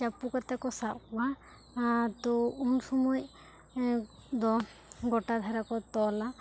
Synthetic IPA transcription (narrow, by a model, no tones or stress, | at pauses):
t͡ʃapukɔt̪ɛkɔsaʔba | t̪ɔunsɔmɔj | d̪ɔ | ɡɔʈad̪ʱaɾakɔt̪ɔla